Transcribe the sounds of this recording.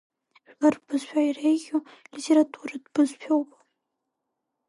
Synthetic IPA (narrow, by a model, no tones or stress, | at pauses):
ʒᶣlarbɨzʃᶣajrejɡʲolitʲʰeɾatʼʰuɾadb̥ɨzpʰᶣowpʼ